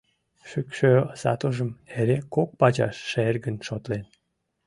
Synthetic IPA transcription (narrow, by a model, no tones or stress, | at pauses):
ʃykʃøsɑ̰t̪oʒəmeɾekok̚pɑt͡ɕɑ̰ʃːerɡənʃot̪len